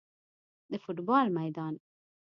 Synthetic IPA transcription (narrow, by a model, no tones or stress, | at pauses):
d̪ɪfʊt̪bɑːlmɐjd̪ɑːn